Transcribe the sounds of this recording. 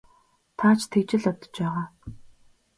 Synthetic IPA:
t̪ʰat͡ɕʰt̪ʰekt͡ɕɪ̆ɮɔt̪ɞ̥̆t͡ɕpæːʁaː

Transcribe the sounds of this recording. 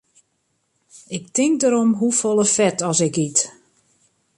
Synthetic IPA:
ɪktɪŋk̚dəɾomɦufolˠəfɛtɔsɪkit

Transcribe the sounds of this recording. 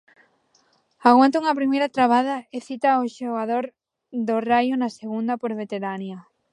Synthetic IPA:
aɣwant̪ʊuŋɐpɾimejɾɐt̪ɾaβaðɐeθit̪aoʃoɣaðoɾ | ðorajʊnɐseɣund̪ɐpoɾβet̪eɾanjɐ

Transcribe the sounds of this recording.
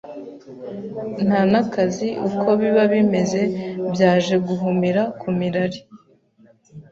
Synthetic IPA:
n̥anakaziʔukʰo̞βiβaβime̞ze̞bjaːʒe̞ɡuɦumiɾakʰumiɾaɾi

